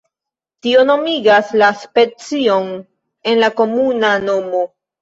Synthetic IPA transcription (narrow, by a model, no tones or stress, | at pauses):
tio̞no̞miɡaslaspe̞t͡sio̞n | e̞nlako̞munano̞mo